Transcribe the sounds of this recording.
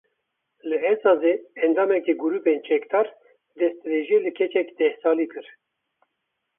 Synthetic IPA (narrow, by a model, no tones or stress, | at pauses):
lɨɛzɑːzeɛnd̪ɑːmɛkiɡuɾuːpent͡ʃʰɛkd̪ɑːɾ | d̪ɛst̪ɾeːʒeːlɨkʰɛt͡ʃɛkd̪ɛhsɑːliːkɨɾ